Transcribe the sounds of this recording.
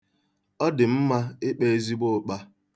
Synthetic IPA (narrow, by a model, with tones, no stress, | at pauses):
ɔ˦dɪ˨m̩˦ma˦ɪ˦k͡pe˦e˦zi˦ɡ͡bo˦˨k͡pa˦